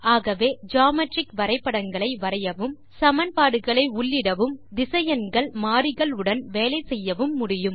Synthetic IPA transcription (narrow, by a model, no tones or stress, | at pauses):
aːɣɐʋeːd͡ʒaːmɐʈrɪkʋɐɾɐɪpːɐɽɐŋɡɐɭɐɪʋɐɾɐjɐʋɯm | sɐmɐnpaːɽɯɣɐɭɐɪʊɭːɪɽɐʋɯmd̪ɪsɐjɐnɡɐɭmaːɾɪɣɐɭɯɽɐnʋeːlɐɪsɛjːɐʋɯmːʊɽɪjɯm